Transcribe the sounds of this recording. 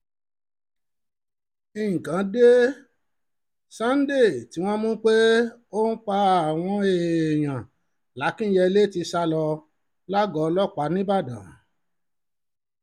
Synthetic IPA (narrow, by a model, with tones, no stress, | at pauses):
ĩ˨kã˨˦de˦ | sã˦n̩˦de˦˨ti˨˦w̃ɔ̃˦mũ˦k͡pe˦ | o˦n̩˦k͡pa˧a˨w̃ɔ̃˧˦e˨j̃ã˨ | la˨˦kĩ˦jɛ˧le˦ti˧sa˧lɔ˧ | la˦ɡɔ˨˧lɔ˦˨k͡pa˨˦nĩ˦ba˦˨dã̰˨